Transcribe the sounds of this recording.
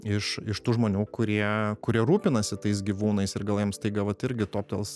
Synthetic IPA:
ɪʃɪʃt̪uːʒmoːnʲuːkʊɾʲiɛkʊɾʲiɛɾuːpʲɪnɐsʲɪt̪ɐɪs̬ɡʲiːʋuːnɐɪsɪɾɡɐlˠjɛmst̪ɐɪɡɐlˠʋɐt̪ɪɾʲɡʲɪt̪oːpt̪ʲɛ̰lˠs

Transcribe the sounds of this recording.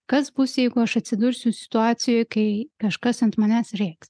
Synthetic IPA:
kɐsbusʲjɛjɡʊɐʃɐt̪ʲsʲɪd̪urʲsʲʊsʲɪ̥t̪uaːtsʲɪjojkɐɪkɐʃkɐsɐnt̪mɐnʲæsrʲeks

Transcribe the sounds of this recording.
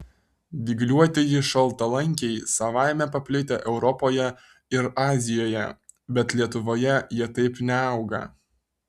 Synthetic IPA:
ʋ̪ʲiɡlʲuɔt̪ʲɪjɪʃɐlˠˑt̪ɐlˠɐŋʲkʲɛɪsɐʋɑˑɪmʲɛpɐpʲlʲɪt̪ʲeʔɛʊɾɔpoːjɛ | ɪɾɑːzʲɪjoːjɛ̰ | bʲɛt̪lʲiɛt̪ʊʋoːjɛjiɛt̪ɐɪpnʲɛɑʊɡɐ̰

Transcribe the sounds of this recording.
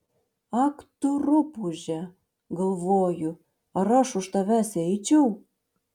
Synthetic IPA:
ɑkt̪uɾupuʒæ | ɡolˠβoju | ɑɾɑʃuʃt̪ɑβæseit͡ɕuw

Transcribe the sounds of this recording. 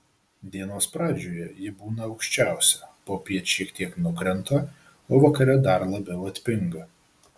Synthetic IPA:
d̪ʲiɛnoːspɾɑːd͡ʒʲoːjɛjɪbuːnɐɒʊkʃʲt͡ʃʲæˑʊsʲɛpoːpʲiɛtʃʲiɛkt̪ʲiɛknʊkɾʲɛnt̪oː | oːʋɐkɐɾʲɛd̪ɐɾlˠɐbʲɛʊɐt̪ʲpʲɪŋɡɐ

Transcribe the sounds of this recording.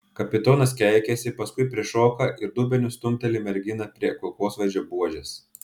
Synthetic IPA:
kɐpʲɪt̪oːnɐskʲɛˑɪkʲɛsʲɪpɐskʊɪpʲɾʲiɛʃoːkɐʔɪɾd̪uːbʲɛnʲʊst̪ʊmʲt̪ʲɛlʲɪmʲɛɾʲɡʲɪnɐpʲɾʲiɛkʊlˠkoːsʋɐd͡ʒʲoːbuɔʒʲɛs

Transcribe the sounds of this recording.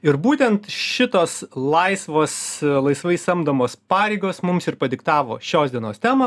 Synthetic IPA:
ɪɾbuːt̪ʲɛnt̪ʃʲɪt̪oːslˠɐɪsʋoːslˠɐɪsʋɐɪsɐmd̪ɐmoːspɑːɾʲɛɪɡoːsmʊmsɪɾpɐd̪ʲɪkt̪ɑːʋo̰ːʃʲoːsd̪ʲiɛnoːst̪ʲæːmɐ

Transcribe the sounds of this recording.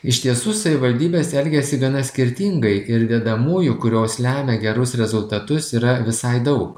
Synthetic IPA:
ɪʃʲt̪ʲiɛsʊːsɐʋʲɪʋɐlʲd̪ʲiːbʲeːsɛlʲɡʲɛsʲɪɡɐnɐsʲkʲɪɾʲt̪ʲɪŋɡɐɪʔɪɾd̪ʲɛːd̪ɐmuːjʊkʊɾʲoːslʲæːmʲɛɡʲɛɾʊsɾʲɛzʊlˠt̪ɐt̪ʊsiːɾɐʋʲɪsɐɪd̪ɐʊk

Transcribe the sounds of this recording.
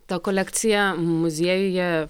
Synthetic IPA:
t̪ɐkolʲɛkt̪sʲɪjɛmʊzʲiɛjʊjɛ

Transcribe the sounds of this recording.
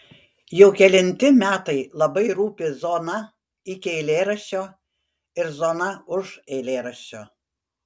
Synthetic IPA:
jɛʊkʲɛlʲɪnʲt̪ʲɪmʲæːt̪ɐɪlˠɐbɐɪɾuːpʲɪzoːnɐ | ɪkʲɪɛɪlʲeːɾɐʃʲt͡ʃʲoː | ɪɾzoːnɐʊʒɛɪlʲeːɾɐʃʲt͡ʃʲoː

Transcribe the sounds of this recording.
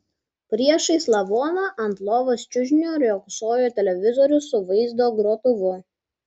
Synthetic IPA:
pʲɾʲiɛʃɐɪslˠɐʋoːnoʔɐnt̪lˠoːʋɐst͡ʃʲʊʒʲnʲoːɾʲjoːkʊsoːjʲoːt̪ʲɛlʲɛʋʲɪzɔɾʲʊsʊʋɐɪzd̪oːɡɾoːt̪ʊʋʊ

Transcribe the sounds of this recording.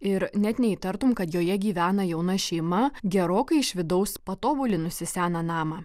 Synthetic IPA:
ɪɾnʲɛt̪nʲɛiːt̪ɐɾt̪ʊmkɐt̪joːjɛɡʲiːʋʲæːnɐjɛʊnɐʃʲɛɪmɐɡʲɛɾoːkɐɪɪʃʲʋʲɪd̪ɐʊspɐt̪oːbʊlʲɪnʊsʲɪsʲæːnɐnɑːmɐ

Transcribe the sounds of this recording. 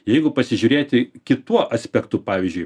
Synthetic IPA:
jɛɪɡʊpɐsʲɪʒʲuːɾʲeːt̪ʲɪkʲɪt̪uɔʔɐsʲpʲɛkt̪ʊpɑːʋʲɪzʲd͡ʒʲʊɪ

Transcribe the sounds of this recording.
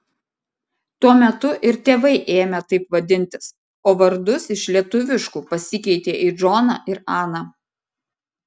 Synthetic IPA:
t̪uɔmʲɛt̪ʊʔɪɾt̪ʲeːʋɐɪʔeːmʲɛt̪ɐɪpʋɐd̪ʲɪnʲt̪ʲɪs | oːʋɐɾd̪ʊsɪʃlʲiɛt̪ʊʋʲɪʃkuːpɐsʲɪkʲɛɪt̪ʲeːʔɪd͡ʒɔnɑ̰ːʔɪɾɑːnɐ

